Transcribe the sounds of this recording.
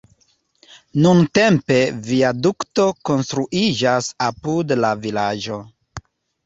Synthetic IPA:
nunte̞mpe̞viadukto̞ko̞nst̪ɾuʔid͡ʒasapudlavilad͡ʒo̞

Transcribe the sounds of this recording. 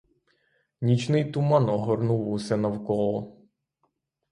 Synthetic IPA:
nʲit͡ʃnɪjt̪ʊmɑnɔɦɔɾnuwʊsʲɛnɐwkɔlˠɔ

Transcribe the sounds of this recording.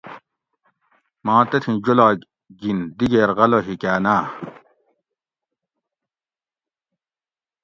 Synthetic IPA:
mɑ̃ːt̪ɐt̪ʰĩd͡ʑolaː | ɡind̪iɡeːɾɣɐloɦikaːnaː

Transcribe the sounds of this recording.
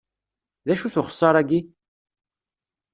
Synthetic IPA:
ðæʃuθʊχə̥sˤːɑɾˤæɡi

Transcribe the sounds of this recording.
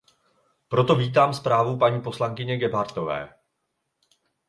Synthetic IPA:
pɾo̞t̪o̞viːt̪̬aːmspɾaːvupaɲiːpo̞slaŋkɪɲɛɡɛbaɾt̪o̞vɛ̰ː

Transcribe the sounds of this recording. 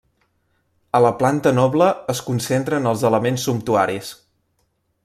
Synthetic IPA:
ələplant̪ənɔβləːskunsent̪ɾənəlˠzələmensːumpt̪uaɾis

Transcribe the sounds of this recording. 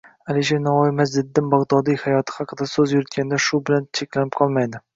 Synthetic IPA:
alɪʃenawɒjɪmazd̪ɪd̪ːɪmbɑʁd̪ɒd̪ijhajɒt̪ʰɪ̥hɑqʰɨd̪asɵzjʊɾɪt̪̚kʲʰand̪aʃʊbɪlant͡ʃʰekʲlanɪp̚qʰɒlˠmajd̪ɪ

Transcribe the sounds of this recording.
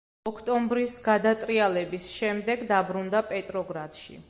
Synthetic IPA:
ɔkʰt̪ʼɔmbɾisɡad̪at̪sʼɾialɛbisʃɛmd̪ɛɡd̪abɾund̪apʼɛt̪ʼɾɔɡɾat̪ʃḭ

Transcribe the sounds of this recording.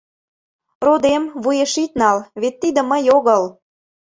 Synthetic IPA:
rod̪emβujeʃit̪nɑlβet̪ːid̪ə̆məjoɣəl

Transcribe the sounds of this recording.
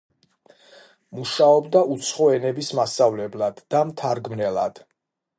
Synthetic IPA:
muʃaɔbd̪aut̪sʰχɔɛnɛbismasavlɛblˠad̪̥ːamt̪ʰaɾɡmnɛlˠa̰d̪̥

